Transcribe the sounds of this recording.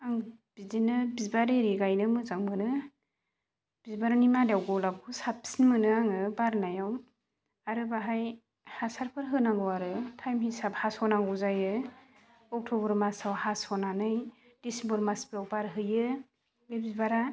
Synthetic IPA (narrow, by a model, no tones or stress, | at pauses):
aŋb̥izinɯbizbaɾeɾiɡajnɯmɯzaŋmɯnɯ | b̥izbaɾanimadawɡɔlap̚ʰusap̚sinmɯnɯaŋɯbaɾnajaw | aɾɯbaɦaj | hasaɾpʰɯɾɦɯnaŋɡɔwaɾɯtʰajmhisap̚hasɔnaŋɡɔzajɯ | ɔk̚tʰɔbɯɾmasawhasɔnanɯj | d̥isimbɯɾmaspiɾawbaɾɦɯjɯ | bebizbaɾa